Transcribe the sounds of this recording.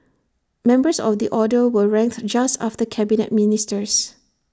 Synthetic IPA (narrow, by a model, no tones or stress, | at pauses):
mɛ̃mbəsɔ̰fdiʔɔdəwəɹɛ̃ŋk̚td͡ʒasta̰ftəkʰɛbinɛ̰t̚minɪstəs